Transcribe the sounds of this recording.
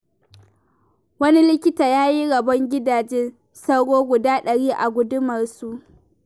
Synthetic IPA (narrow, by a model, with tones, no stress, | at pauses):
wɐ˦ni˦lɪ˦kʲɪ˦taː˨jaː˦ji˦ɽɐ˨bɐ˦ŋɡʲɪ˦daː˨d͡ʒɛ˦n | sɐ˦wɽoː˦ɡʷʊ˨daː˦ɗɐ˨ɽiː˦ʔa˨ɡʷʊ˦dʊ˦mɐ˨rsu˦ʔ